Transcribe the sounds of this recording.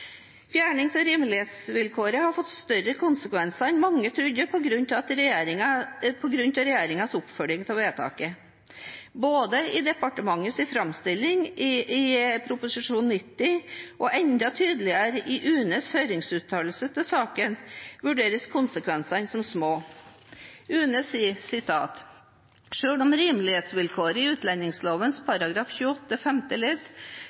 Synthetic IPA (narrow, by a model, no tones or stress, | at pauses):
fjæːɳɪŋt̪ɪɾɪmlesʋɪlkʰoːɾəhɑɾfɔt̪ːst̪œɾəkʰʊnsəkʋɛnsɑɛnmɑŋːət̪ʰɾʉd̪əpʰɔɡɾʉnt̪ɑt̪ɾɛjeːɾɪŋɑpʰɔɡɾʉnt̪ɑɾɛjeːɾɪŋɑsʊpfœɖ̪ɪŋt̪ʰɛʋeːt̪ʰɑ̰ːkə | boːd̪əɪd̪ɛpɑʈəmɑŋːəsɪfɾɑmst̪ɪlːɪŋɪɪpʰɾʊpʊsɪʂuːnnːɪt̪ːɪʔɔʔɛnd̪ɑt̪ʰyːd̪əlɪəɾəʔɪʔʉːnəshœʏɾɪŋsʉːt̪ʰɑːlsət̪ʰɪlsɑːkənʋʉɖeːɾəskʰʊnsəkʰʋɛnsɑnsɔmsmoː | ʉːnəsɪsɪt̪ʰɑ̰ːt̪ | ʂøːɽɔmɾiːmlɪheːt̪sʋɪlkʰoːɾəɪʉːt̪ʰlɛnːɪŋsloːʋənspʰɑɾɑɡɾɑːfçʉːəɔt̪ːəfɛmt̪əlɪt̪ː